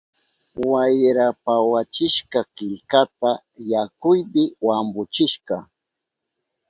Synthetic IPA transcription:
wajɾapawat͡ʃɪʃkɑkɪʎkat̪a | jakʊjbɪwambʊt͡ʃɪʃkɑ

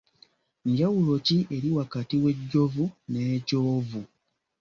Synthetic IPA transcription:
ɲɟawulo̞ciʔe̞ɾiwakatiwe̞ɟːo̞vune̞ːcoːvu

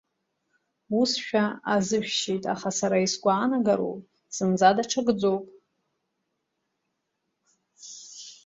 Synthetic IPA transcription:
usʃᶣaazɨʃᶣʃejtʼaχasaɾaisɡʷaːnaɡaɾo̰pʼ | sɨnd͡zadaʈ͡ʂʰaɡd͡zowpʼ

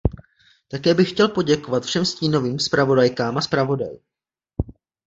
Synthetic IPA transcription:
t̪akɛːbɪxcɛlpo̞ɟɛko̞vat̪fʃɛmsciːno̞viːmspɾavo̞dajkaːmaspɾavo̞da̰j

